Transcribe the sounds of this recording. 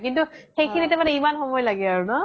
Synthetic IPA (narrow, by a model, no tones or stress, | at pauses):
kintuxejkʰinɛtɛmanɛimanxɔmɔjlaɡɛaɹunɔ